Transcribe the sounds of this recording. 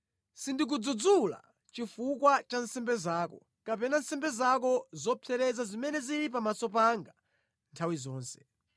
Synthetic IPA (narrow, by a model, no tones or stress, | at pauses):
sindik̬ud͡zud͡zula̰ | t͡ʃifukwat͡ʃansɛmbɛzaːkɔ | kapɛnansɛmbɛzakɔzɔpʰɛɾɛzazimɛnɛziɾip̬amasɔp̬aŋɡa | ntʰawizɔːnsɛ̥